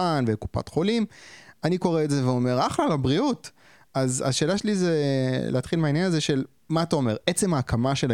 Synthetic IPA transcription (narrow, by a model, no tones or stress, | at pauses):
anveku̥pa̰tχo̞limaniko̞ʁeːtze̞veo̞me̞ʁaχlalabʁiut | aza̰ʃe̞ːlaʃelizelʔḛat̪χilmainjanazeʃe̞l | maːtao̞me̞ʁet͡se̞maːkamaʃel